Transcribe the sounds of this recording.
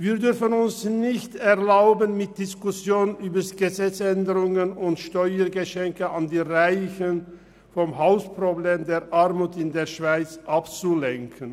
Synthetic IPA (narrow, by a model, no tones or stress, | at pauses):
viːɐdʏʁfənʊnsnɪçtɛʁlaʊbənmɪt̚d̥ɪskʊsjoːnnʔyːbɐsɡ̥əzɛt͡sɛndəʁʊŋənʊntʃtɔʏəɡəʃɛŋkəandiːʁaɪçən | fɔmɦaʊspʁobleːmdeːɐʔaʁmuːtɪndeːɐʃv̥aɪt͡sʔapt͡sulɛŋkʰən